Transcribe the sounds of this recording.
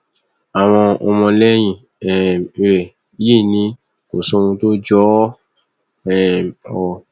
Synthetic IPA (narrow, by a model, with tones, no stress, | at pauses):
a˨w̃ɔ̃˧ɔ˧mɔ̃˧lɛ˦j̃ĩ˧˨ | ɛ˨ɛ˨˦ | e˦˨nĩ˧ | ko˨so˦˧wũ˧to˦d͡ʒɔ˦ | ɛ˦˨mɔ˨